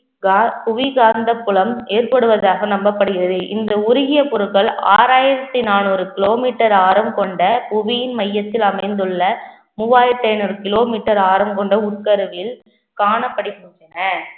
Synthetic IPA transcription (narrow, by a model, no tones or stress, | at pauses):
ɡpʊʋɪɡaːnd̪ɐpːʊɭɐmeːɾpɐɽɯʋɐðaːɣɐnɐmbɐpːɐɽɯɣɪɾɐðɯʔɪnd̪ɐʊɾʊɣɪjɐpʊɾɯkɐɭa̰ːɾaːjɪɾɐt̪ːinaːnuːɾɯkɪloːmiːʈːɐɾaːɾɐmkɔɳɖɐpʊʋɪjɪnmɐjːɐt̪ːɪlɐmɐɪnd̪ɯɭːɐ | mʊʋaːjɪɾɐt̪ːɐɪnuːɾɯkɪloːmiːʈːɐɾaːɾɐmkɔɳɖɐʊʈ̚kɐɾɯʋɪl | kaːnɐpːɐɽɪkʊnɐnɐ